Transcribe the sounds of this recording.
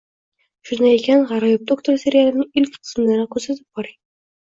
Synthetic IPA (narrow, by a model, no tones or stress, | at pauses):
ʃʊnd̪ajekʲanʁɑɾɑjop̚d̪okt̪oɾse̞ɾijalɪnɪɪlkʲqʰɨ̥smlaɾɪkʲʰɵɾsat̪ʰɪ̥p̚qɒɾa